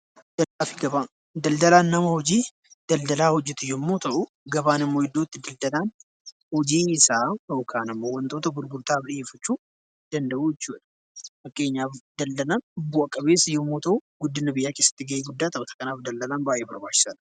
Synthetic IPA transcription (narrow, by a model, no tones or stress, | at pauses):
d̪ɐaːfɪɡɐba | d̪ɐld̪ɐlaːnːɐmɐhɔd͡ʒiː | d̪̥ɐld̪ɐlaːhɔd͡ʒːɛt̪ɪjɔmːo̞ːt̪ɐʔʊ | ɡɐbaːnɪmːoːɪd̪ːo̞ːt̪ːɪd̪ɐld̪ɐlaːn | hɔd͡ʒiːɪsaːokʰaːnɐmːo̞ːwɐnt̪o̞ːt̪ɐɡʊɾɡʊɾt̪aːbᶑɪeːfɐt͡ʃːuː | d̪̥ɐnd̪ɐʔuːjɛt͡ʃːuːᶑɐ̥ | fɐkʼːe̞ːɲːaːfd̪ɐld̪ɐlaːnʊbːuːɐkʼːɐβe̞ːsɪjːɔmːoːt̪ɐʔʊɡʊd̪ːɪnɐbɪjːaːke̞ːsːɐ̥t̪ːɪɡɐʔeːɡʊd̪ːaːt̪ɐʔʊt̪ʰɐ̥kɐnaːfd̪ɐld̪ɐlaːnbaːʔeːbɐɾbaːt͡ʃːɪ̥sɐnɐ